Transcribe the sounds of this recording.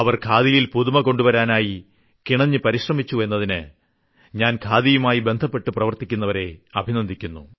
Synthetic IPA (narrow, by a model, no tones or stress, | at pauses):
ɐʋɐrkʰaːðijilpuðumɐko̞ɳɖuʋɐɾaːnaːji | kiɳɐɲːɨpɐɾiɕrɐmit͡ɕːue̞nːɐðinɨ | ɲaːnkʰaːðijumaːjibe̞nd̪ʱɐpːe̞ʈːɨprɐʋɐrt̪ikʲːunːɐʋɐɾe̞ɐbʱinɐnd̪ʱikʲːunːu